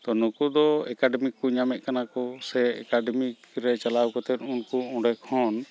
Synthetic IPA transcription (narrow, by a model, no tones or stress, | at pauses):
t̪ɔnukud̪ɔɛkaɖɛmikːuɲamɛʔ̪̚kanakɔsɛɛ̰kaɖɛmikɾɛt͡ʃalawkɔt̪ɛt̪unkuɔ̃ɖɛkʰɔn